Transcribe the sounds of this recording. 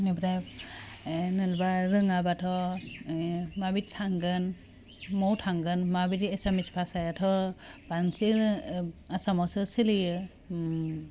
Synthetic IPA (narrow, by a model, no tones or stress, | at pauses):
nibɾaj | nɯlbaɾɯŋabatʰɔ | mabittʰːaŋɡɯn | mɔwtʰaŋɡɯnmabitesamispʰasajatʰɔb̥ansi | asamɔsɯsilijɯ